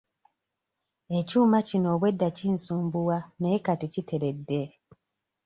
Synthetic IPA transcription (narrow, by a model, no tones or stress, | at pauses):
e̞cuːmacino̞ːβwe̞dːaciːnsuːmbuwaneːkaticitʰe̞ɾe̞dːe̞